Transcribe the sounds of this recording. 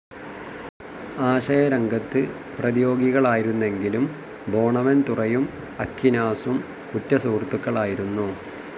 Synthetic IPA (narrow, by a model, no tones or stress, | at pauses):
aːɕɐjɐɾɐŋɡɐt̪ːɨ | prɐðijo̞ːɡiɣɐɭaːjiɾunːe̞ŋɡilum | bʱo̞ːɳɐʋɐnt̪urɐjum | ɐkːinaːsum | kutːɐsuːrt̪ːukːɐɭaːjiɾunːu